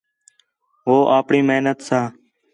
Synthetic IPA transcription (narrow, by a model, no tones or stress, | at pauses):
ʋoːʔaːpɳiːmeːnət̪saː